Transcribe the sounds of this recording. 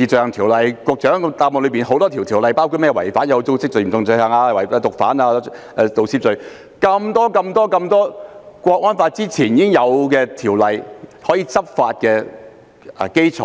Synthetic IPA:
iː˨˧t͡ʃœː˨˧ŋt̪ʰiː˨˩wlɐ˨˧jkʷɔ˧k̚t͡ʃœː˨˥ŋt̪aː˧mɔː˨lɵ˨˧˥piː˨nho˨˥wt̪ɔː˥t̪ʰi˨˩wt̪ʰi˨˩lɐ˨˧jpaː˥wkʰu˧mɛː˥˩wɐ˨˩jfaː˨˥njɐ˨˧t͡so˥˧wsɪ˥k̚t͡ʃɵ˧˩m̩˨˩t͡sʊ˧ŋt͡sɵ˧ɥhɐː˨˩ŋaː˧˨˩wɐ˨˩˧t̪ʊ˨k̚faː˨˥naː˧ | ɛː˧t̪o˨˧wsi˥p̚t͡ʃɵ˨˧ɥ | kɐ˧mt̪ɔː˥kɐ˧mt̪ɔː˥kɐ˧mt̪ɔː˥kʷɔː˧k̚wɔː˥nfaː˧t̚t͡siː˥t͡sʰiː˨˩njiː˨˥kɪ˥ŋjɐ˨˧wkɛː˧t̪ʰiː˨˩wlɐ˨˧jhɔː˨˥jiː˧t͡sɐ˥p̚faː˧t̚kɛː˧˨˩ | ke˥jt͡sʰɔ̰ː˨˥

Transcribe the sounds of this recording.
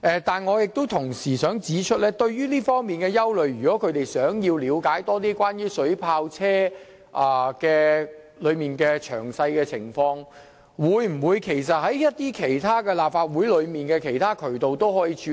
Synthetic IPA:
ʔɛ˨˧t̪aː˨nŋɔː˨˧jɪ˨k̚t̪o˥wt̪ʰʊ˨˩ŋsiː˨˩sœː˨˥ŋt͡siː˨˧˥t͡ʃʰɵ˥lɛː˥t̪ɵ˧ɥɥyː˥liː˥fɔː˥ŋmiː˨˩nkɛː˧jɐ˥wlɵ˨˩ɥɥyː˨kɔː˨˥kʰɵ˨˧ɥt̪e˨jsœː˨˥ŋjiː˧wliː˨˧wkaː˨˥jt̪ɔː˥t̪̬iː˥kʷwaː˥njyː˥sɵ˨˥ɥpʰaː˧wt͡sʰɛː˥ | ʔaː˨˩kɛː˧ | lɵ˨˧ɥmiː˨nkɛː˧t͡ʃʰœ̰ː˨˩ŋsɐ˧jkɛː˧t͡sʰɪ˨˩ŋfɔː˧ŋ | wuː˨˧˥jm̩˨˩wuː˨˧jkʰe˨˩jsɐ˨t̚hɐ˨˥jjɐ˥t̚t̪iː˥kʰe˨˩jt̪ʰaː˥kɛː˧laː˨p̚faː˧t̚wu˨˥jlɵ˨˧ɥmiː˨nkɛː˧kʰe˨˩jt̪ʰaː˥kʰɵ˨˩t̪o˨wt̪o˥wɦɔː˨˥jiː˧t͡ʃʰy˧

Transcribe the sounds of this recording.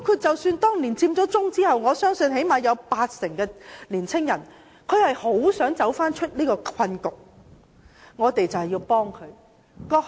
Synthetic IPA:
kʰy˨˧t͡sɐ˨wsyː˧nt̪ɔː˥ŋliː˨˩nt͡siː˧mt͡sɔː˨˥t͡sʊ˥ŋt͡siː˥hɐ˨wŋɔː˨˧sœː˥ŋsɵ˧nhe˨˥jmaː˨˧jɐ˨˧wpaː˧t̚sɪ˨˩ŋkɛː˧liː˨˩nt͡sʰɪ˥ŋjɐ˨˩n | kʰɵ˨˧ɥhɐ˨jho˨˥wsœː˨˥ŋt͡sɐ˨˥wfaː˥nt͡ʃʰɵ˥t̚nliː˥kɔː˧kʰɐ˧nkʊ˨˩k̚ | ŋɔː˨˧t̪e˨jt͡sɐ˨whjiː˧wpɔː˥ŋkʰɵ˨˧ɥ | kɔː˧

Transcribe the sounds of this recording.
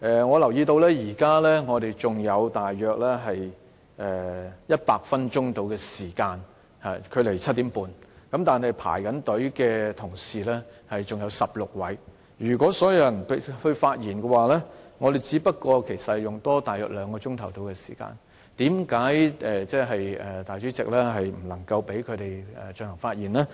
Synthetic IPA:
ʔɛ˨ŋɔː˨˧lɐ˨˩wjiː˧t̪o˧wlɛː˥jiː˨˩kaː˥lɛ˥ŋɔː˨˧t̪e˨jt͡sʊ˨ŋjɐ˨˧wt̪aː˨jːœː˨k̚lɛː˥ɦɐ˨j | ʔɛː˨˩jɐ˥t̚paː˧k̚fɐ˥nt͡ʃʊ˥ŋt̪o˨˧wkɛː˧siː˨˩kaː˧n | haː˨kʰɵ˨˧ɥle˨˩jt͡sʰɐ˥t̚t̪iː˨˥mpuː˨nkɐ˨˥mt̪aː˨nhɐ˨jpʰa̰ː˨˩jkɐ˨˥nt̪ɵ˨˥ɥkɛː˧t̪ʰʊ˨˩ŋsiː˨lɛː˥hɐ˨jt͡sʊ˨ŋjɐ˨˧wsɐ˨p̚lʊ˨k̚wɐ˨˥j | ɥyː˨˩kʷɔː˨˥sɔː˨˥jɐ˨˧wjɐ˨˩npe˨˥hɵ˧ɥfaː˧t̚jiː˨˩nkɛ˧waː˨˩lɛː˥ŋɔː˨˧d̪e˨jt͡siː˨˥pɐ˥t̚kːɔː˧kʰe˨˩jsɐ˨t̚hɐ˨˩jʊ˨ŋt̪ɔː˥t̪aː˨jœː˨k̚lœː˨˧ŋkɔː˧t͡ʃʊ˥ŋt̪ʰɐ˨˩wt̪o˨˧wkɛ˧si̥ː˨˩ka̰ː˧n | t̪iː˨˥mkaː˨˥jʔɛː˨t͡sɛː˥ɦɐ˨jɛ˨˩t̪aː˨˩jt͡ʃy˨˥t͡sɪ˨k̚lɛː˥ɦɐ˨jm̩˨˩lɐ˨˩ŋkɐ˧wpe˨˥jkʰɵ˨˧ɥt̪e˨˩jɛ̰˨t͡ʃɵ˧nlŋfaː˧t̚jiː˨˩nlaː˥

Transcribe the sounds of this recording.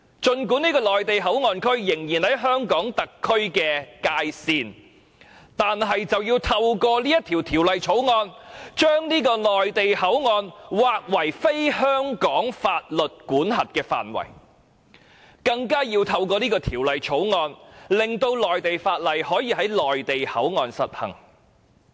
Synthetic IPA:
t͡ʃɵ˧nk̬uː˨˥niː˥kɔː˧lɔː˨jt̪e˨jɦɐ˨˥wŋɔː˧nkʰɵ˥ɥjɪ˨˩ŋjiː˨˩nhɐ˨˥jɦœː˥ŋkɔː˨˥ŋt̪ɐ˨kʰːɵ˥ɥkɛː˧kaː˧jsiː˨˧n | t̪aː˨nɦɐ˨jt͡sɐ˨wjiː˧wt̪ʰɐ˧wkɔː˧liː˥jɐ˥t̪ʰi˨˩wt̪ʰiː˨˩wlɐ˨jt͡ʃʰo˨˥wŋɔː˧nt͡ʃœː˥ŋniː˥kɔː˧lɔː˨jt̪e˨jhɐ˨˥wŋɔː˧nwaː˨k̚wɐ˨˩jfe˥jhœː˥ŋkɔː˨˥ŋfaː˧t̚lɵ˨t̚kuː˨˥nɦɐ˨t̚kɛː˧fa̰ː˨nwɐ̰˨˩j | kɐ˧ŋkaː˥ji˧wt̪ʰɐ˧wkɔː˧niː˥kɔː˧t̪ʰiː˨˩wlɐ˨jt͡ʃʰo˨˥wŋɔː˧nlɪ˨ŋt̪o˧wlɔː˨jt̪e˨jfaː˧t̚lɐ˨jhɔː˨˥jiː˧ɦɐ˨˥jlɔː˨jt̪e˨jhɐ̰˨˥wŋɔː˧nsɐ˨t̚hɐ̰˨˩ŋ

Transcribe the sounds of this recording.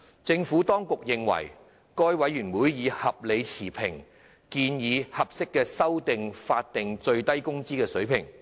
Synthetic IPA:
t͡sɪ˧ŋfuː˨˥t̪ɔː˥ŋkʊ˨k̚jɪ˨ŋwɐ̰˨˩j | kɔː˥jwɐ˨˥jyː˨˩nwuː˨˥jjiː˨˧hɐ˨p̚le˨˧jt͡sʰiː˨˩pʰɪ˨˩ŋ | kiː˧njiː˨˧hɐ˨p̚sɪ˥kːɛː˧sɐ˥wt̪ɪ˨ŋfaː˧t̚t̪ɪ˨ŋt͡sɵ˧ɥt̪ɐ˥jkʊ˥ŋt͡siː˥kɛː˧sɵ˨˥ɥpʰɪ˨˩ŋ

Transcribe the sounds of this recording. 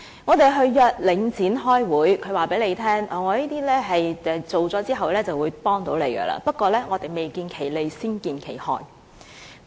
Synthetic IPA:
ŋɔː˨˧t̪e˨jɦɵ˧ɥjœː˨t̚lɪ˨˧ŋt͡sʰiː˨˥nɦɔː˥jwuː˨˥jkʰɵ˨˧ɥwaː˨pe˨˥jle˨˧jt̪ʰɛː˥ŋʔɔː˨˩ŋɔː˨˧liː˥t̪iː˥lɛː˥ɦɐ˨jɛ˧t͡so˨wt͡sɔː˨˥t͡siː˥ɦɐ˨wlɛː˥t͡sɐ˨wuː˨˧jpɔː˥ŋt̪o˨˧˥wle˨˧jɡə̰˧la̰ː˨pɐ˥t̚kɔː˧lɛː˥ŋɔː˨˧t̪e˨jme˨jkiː˧nkʰe˨˩jle˨˧jsiː˥nkiː˧nkʰe˨˩jhɔ̰ː˧˩j

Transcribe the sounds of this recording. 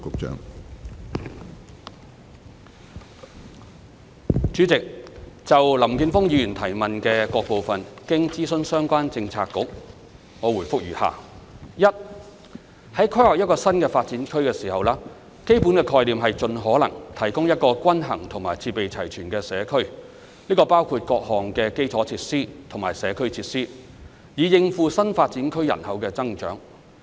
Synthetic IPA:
kʊ˨˥k̚t͡ʃœ̰ː˨˥ŋ | t͡ʃyː˨˥t͡sɪ˨k̚t͡sɐ˨wlɐ˨˩mkiː˨˧nfʊ˥ŋjiː˧jyː˨˩nt̪ʰɐ˨˩jmɐ˨nkɛː˧kɔː˧k̚po˨wfɐ˨nkɪ˥ŋt͡siː˥sɵ˧˥nsœː˥ŋkʷaː˥nt͡sɪ˧ŋt͡sʰa̰ː˧kːʊ˨˥k̚ | ŋɔː˨˧wuː˨˩jfʊ˥k̚jyː˨˩ha̰ː˨˩ | jɐ˥t̚ | hɐ˨˥jkʰɵ˥hɔː˨˩jɐ˥t̚kɔː˧sɐ˥nkɛː˧faː˧t̚t͡siː˨˥nkʰɵ˥ɥkɛː˧siː˨˩hɐ˨wlaː˥ | ke˥jpu˨˥nkɛː˧kʰɔː˧jliː˨mɦɐ˨jt͡ʃɵ˧nɦɔː˨˥lɐ̰˨˩ŋt̪ʰɐ˨˩jkʊ˥ŋjɐ˥t̚kɔː˧kʷɐ˥nɦɐ̰˨˩ŋt̪ʰʊ˨˩ŋmaː˨˩jt͡sʰiː˧pe˨jt͡sʰɐ˨˩jt͡ʃʰyː˨˩nkɛː˧sɛː˨˧kʰɵ˥ɥ | niː˥kɔː˧paː˥wkʰuː˧t̚kɔː˧k̚hɔː˨ŋkɛː˧ke˥jt͡sʰɔː˨˥t͡sʰiː˧t̚siː˥t̪ʰʊ˨˩ŋmaː˨˩jsɛː˨˧kʰɵ˥ɥt͡sʰiː˧t̚siː˥ | jiː˨˧jɪ˧ŋfuː˨˧sɐ˥nfaː˧t̚t͡siː˨˥nkʰɵ˥ɥjɐ̰˨˩nhɐ˨˧wkɛː˧t͡sɐ˥ŋt͡ʃœ̰ː˨˥ŋ

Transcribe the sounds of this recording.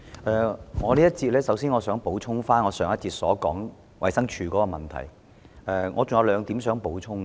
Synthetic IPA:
ʔɛː˨ŋɔː˨˧liː˥jɐ˥t̚t͡siː˧t̚lɛː˥sɐ˨˥wsiː˥nŋɔː˨˧sœː˨˥ŋpo˨˥wt͡sʰʊ˥ŋfaː˥nŋɔː˨˧sœː˨˩ŋjɐ˥t̚t͡siː˧t̚sɔː˨˥kɔː˨˥ŋ | wɐ˨jsɐ˥ŋt͡ʃʰyː˨˧kɔː˨˧˥kɔː˧mɐ˨˩nt̪ʰɐ̰˨˩j | ɛː˨ŋʔɔː˨˧t͡sʊ˨ŋjɐ˨˧wlœː˨˧ŋt̪iː˨˥msœː˨˥ŋpo˨˥wt͡ʃʰʊ˥ŋ˧

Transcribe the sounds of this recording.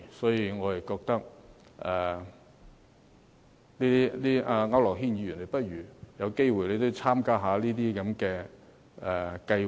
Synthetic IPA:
sɔː˨˥jiː˧ŋɔː˨˧jɐ˨˩kɔː˧k̚t̪ɐ˥k̚ | ʔɛː˨˩ | liː˥i˥liː˥ʔaː˧ŋɐ˨˥wlɔː˨˩k̚ɦi˥nji˨˧jy˨˩nle˨jpɐ˥t̚ɥyː˨˩jɐ˨˧wke˥jwu˨˩jle˨˧jt̪̬o˥wt͡sʰaː˥mkaː˥ɦaː˨˧˥liː˥t̪iː˥kɐ˨˥mkɛː˧ | ɛ˨˩kɐ˧j

